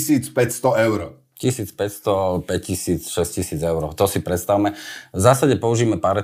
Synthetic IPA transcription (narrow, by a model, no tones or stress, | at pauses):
siːt͡spɛcst̪ɔɛʊɾ | cisiːt͡spɛcst̪ɔpɛccisiːt͡sʃɛscisiːd͡zɛʊɾɔʊt̪ɔsipɾɛt̪st̪aʊmɛvzaːsaɟɛpɔuʒiːmɛpaɾ